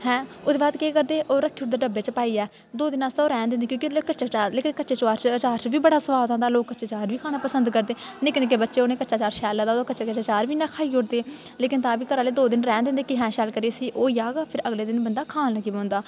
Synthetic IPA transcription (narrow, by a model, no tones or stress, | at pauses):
hɛ̃ːod̪eːbaːd̪keːkəɾd̪eːʔoːɾəkʰːiːʊʈd̪eːɖəbeːt͡ʃpaːiːɛː | d̪oːd̪ɪnaːst̪aoːɾɛ̃ːnd̪ẽːnd̪eːkjõːkikəʃaːt͡ʃaːɾleːkɪnkətːʃeːt͡ʃaːɾt͡ʃət͡ʃaːɾt͡ʃʋiːbəɽaːsəʋaːd̪ãːnd̪aːloːkːətːʃeːt͡ʃaːɾʋiːkʰaːnaːpəsə̃nd̪kəɾd̪eːnɪknɪk̬eːbətːʃeːoːneːkətːʃaːt͡ʃaːɾʃɛːlãːd̪aːd̪aːkətːt͡ʃeːkət͡ʃaːt͡ʃaːɾʋiːnaːkʰaːiːʊʈd̪eː | leːkɪnt̪ãːʋiːkəɾaːleːd̪oːd̪ɪnɾɛ̃ːnd̪ɪ̃ːnd̪eːkɪɦɛ̃ːʃɛːlkəɾeːsiːʔoːjaːɡapʰɪɾəɡleːd̪ɪnbənd̪aːkʰaːnəɡiːbõːnd̪aː